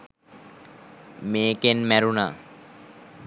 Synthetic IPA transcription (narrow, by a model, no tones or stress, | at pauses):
meːkenmæɾuna̰ː